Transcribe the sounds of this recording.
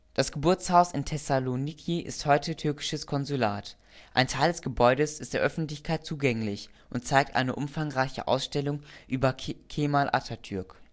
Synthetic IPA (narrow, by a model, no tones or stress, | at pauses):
d̥asɡ̥əbʊɐt͡shaʊsɪntʰɛsalonikʰiʔɪ̰sthɔʏtʰətʰʏɐkɪ̥ʃəskʰɔnzulaːt | ʔaɪntʰaɪldɛsɡ̥əbɔʏɾəsɪstd̥eːɐʔœfn̩tlɪçkʰaɪt̚t͡suːɡɛŋlɪçʔʊntt͡saɪk̚tʔa̰ɪnəʔʊmfaŋʁaɪçə̰ʔa̰ʊsʃtɛlʊŋʔyːbɐkʰeːmaːlʔa̰tʰɐtʰʏɐk